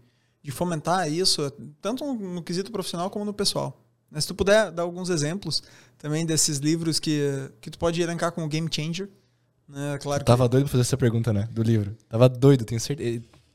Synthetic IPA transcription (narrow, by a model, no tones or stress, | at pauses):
d͡ʒɪfomẽnt̪aisʊt̪ɐ̃nt̪ʊnʊnʊkɪzit̪ʊpɾofisionawkõmʊnʊpesua̰w | nɛsɪ̥t̪upud̪ɛd̪aɾawɡũzezẽmplʊst̪ɐ̃mbẽj̃d̪esɪzlivɾʊskɪkɪt̪u̥pɔd͡ʒɪelẽŋkakõʊɡẽj̃mt͡ʃẽj̃ʒeɾ | nɛklaɾʊkt̪avɐd̪ojd̪ʊpɾɐfazeɾɛsɐpeɾɡũnt̪ɐnɛd̪ʊlivɾʊt̪avɐd̪ojd̪ʊt̪ẽj̃ɐseɾt̪e